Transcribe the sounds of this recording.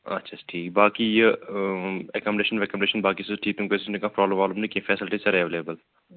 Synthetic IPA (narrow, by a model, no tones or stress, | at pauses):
ɐ̰tːʃʰḁʈʰiːkbaːkije | ekɔːmɖeːʃənɾekɔmɳɖeːʃənbaːkiseʈʰiːt̪ũŋkʋeːsnẽkãpɾɔːbləmaːblɐmnĩkifɛːsɪlʈisɐɾeːʋeːleːbəl